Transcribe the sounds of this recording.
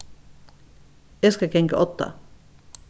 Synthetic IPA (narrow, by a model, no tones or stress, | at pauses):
jæskɑkʰɛŋkəʔɔt̪ːə̰